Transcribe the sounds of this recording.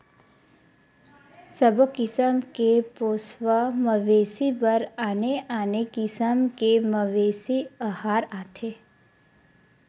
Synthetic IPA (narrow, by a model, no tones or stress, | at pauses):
səbokɪsəmkepoːsʋəməʋeːsibəɾaːneaːnekɪsəmkeməʋeːsiahaːɾaːt̪ʰeː